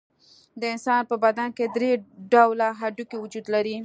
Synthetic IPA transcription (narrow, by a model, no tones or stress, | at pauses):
d̪əɪnsɑnpəbad̪anked̪ɾeɖawlaɦaɖukewud͡ʒud̪laɾi